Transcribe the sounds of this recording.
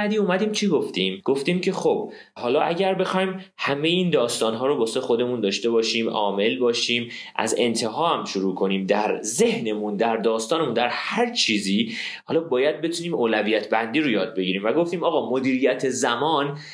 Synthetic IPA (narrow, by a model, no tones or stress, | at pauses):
æd̪iːuːmæd̪iːmt͡ʃʰiːɡo̞ft̪iːmɡ̥o̞ft̪iːmcʰe̞xob | hɒːlɒːʔæɟæɾbe̞xɒːjmhæme̞jeiːnd̪ɒːst̪ɒːnɦɒːɾobɒːsexo̞d̪e̞mund̪ɒːʃt̪e̞bɒːʃiːmʔɒ̰ːme̞lbɒːʃiːm | ʔæ̰ze̞nt̪ʰeɦɒːæmʃoɾuːkʰo̞niːmd̪æɾze̞hne̞mund̪æɾd̪ɒːst̪ɒːne̞mund̪æɾhæɾt͡ʃʰiːziːhɒːlɒːbɒːjæd̪̚be̞t̪ʰuniːmoːlævijæt̪ʰbænd̪iːɾojɒːd̪̚be̞ɟiːɾiːmvæɡo̞ft̪iːmɒːɣɒːmo̞d̪iːɾijæt̪ʰe̞zæmɒːn